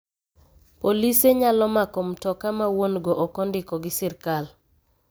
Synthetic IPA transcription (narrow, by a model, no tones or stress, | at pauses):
poliseɲalɔmakomtɔkamawonɡoʔɔkɔndɪkɔɡɪsɪrkal